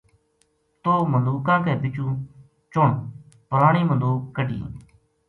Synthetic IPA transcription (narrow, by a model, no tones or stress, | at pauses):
t̪oːmənduːkãːkɛːbɪt͡ʃũː | t͡ʃʊɳ | pəɾaːɳiːməd̪uːkːəɖḭː